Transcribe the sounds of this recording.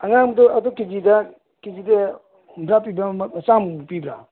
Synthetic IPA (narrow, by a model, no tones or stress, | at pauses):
aŋaŋmdɔɐdɔkid͡ʒida | kid͡ʒida | mbɾap̬ibɾamsampibɾa̰